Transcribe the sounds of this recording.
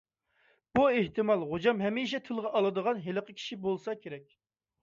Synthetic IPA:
b̥ueht̪ɨmɑlˠʁod͡ʒɑmɦɛmiʃ̬ɛt̪ʰylˠʁɑʔɑlˠɨd̪əʁɑnɦeləqʰəkʲʰi̥ʃibolˠsɑkʲʰeɾɛk̚ʲ

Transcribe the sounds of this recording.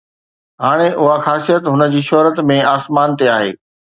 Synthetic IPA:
ɦaːɽ̃eʔʊɦaxaːsijət̪ɦʊnə̆d͡ʑiːʃɔɦɾət̪mẽaːsmaːnt̪eaːɦḛː

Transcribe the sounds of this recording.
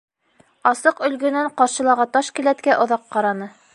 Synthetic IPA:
ɑsɤqɵ̆lɡɵ̆næɴqɑɾɕɤ̆lˠɑʁɑt̪ɑʃkɘ̆læt̪kæʔŏðɑqːɑɾɑnɤ

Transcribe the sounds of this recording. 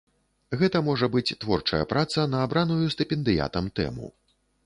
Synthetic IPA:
ɣɛt̪ɐmɔʐɐbɨt͡sʲt̪vɔrt͡ʂɐjɐ̰pɾʔat̪sɐnɐːbɾanujust̪ɛpʲɛnd̪ɨja̰t̪ɐmt̪ɛ̰mṵ

